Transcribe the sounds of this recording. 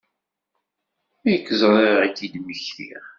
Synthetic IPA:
æjəkːəzˤɾˤaʁit͡sːid̪məçθḭʁ

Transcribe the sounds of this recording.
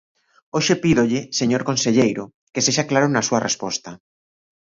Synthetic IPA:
oʃepiðoʎɪseɲoɾkonseʎejɾʊ | keseʃaklaɾʊnɐsuɐrʔespɔst̪ɐ

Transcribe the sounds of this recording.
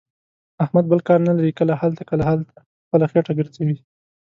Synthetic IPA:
ahmad̪̚bəlkɑɾnalaɾikəlahalt̪akəlaɦalt̪ʰḁ | xpəlaxeʈaɡəɾzawi

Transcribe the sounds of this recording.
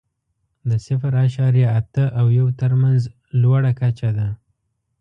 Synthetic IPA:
d̪əsɪfɾaʃɑɾjaːt̪əʔawjawt̪əɾmanz | lwaɽakat͡ʃad̪a

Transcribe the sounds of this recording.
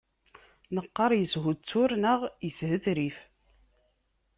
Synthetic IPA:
nəqːɑɾˤjəsɦut͡sːʊɾnəʁjəshəθɾif

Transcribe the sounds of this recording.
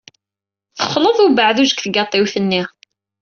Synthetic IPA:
θəχloðˤʊbəʕðuʒəkθəɡɑt̪ˤːiwθənːiʁ

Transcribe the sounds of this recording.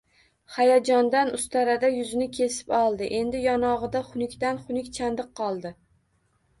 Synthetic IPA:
χajad͡ʒɒnd̪anʊst̪ʰaɾad̪ajʊzɪnɪkʲʰe̞sɪ̥pɒlˠd̪ɪʔe̞nd̪ɪjɒnɒʁɨd̪aχʊnɪkʲt̪anχʊnɪkʲt͡ʃʰand̪ɨqʰːɒlˠd̪ɪ

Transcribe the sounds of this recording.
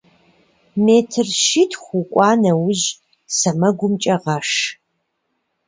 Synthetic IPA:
meːtʰɨrʃitʰχʷʊkʷʼɑːnɐwʊʒ | sɐmɐɡʷʊmt͡ʃʼɐʁɐʂ

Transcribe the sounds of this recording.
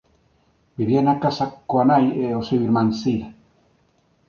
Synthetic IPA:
biβjenakasakːoanajeoseβiɾmansiɾa

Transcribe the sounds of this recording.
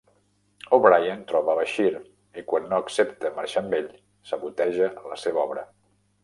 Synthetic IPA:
oβɾajant̪ɾɔβəːβəʃiɾ | ikwanːoəksept̪əmaɾʃambeʎ | səβut̪ɛʒələseβəɔβɾə

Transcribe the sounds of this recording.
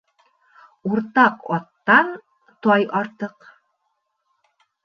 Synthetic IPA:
uɾt̪ɑqɒt̪ːɑn | t̪ɒjɑɾt̪ɤq

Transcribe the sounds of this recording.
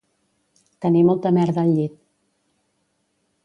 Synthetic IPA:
t̪ənimɔlˠt̪əmɛɾðəːʎːit̪̚

